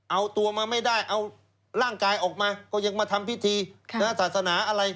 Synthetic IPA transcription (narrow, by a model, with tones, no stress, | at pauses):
ʔa˧wt̪u˧ɐmaː˧ma˥˩jdaː˥˩jʔa˧w | ɾaː˥˩ŋkaː˧jʔɔː˨˩k̚maː˧kɔː˥˩ja˧ŋmaː˧t̪ʰa˧mpʰi˦˥t̪ʰiː˧na˦˥saː˨˩t̪̚sa˧naː˩˦ʔa˧ɾa˧j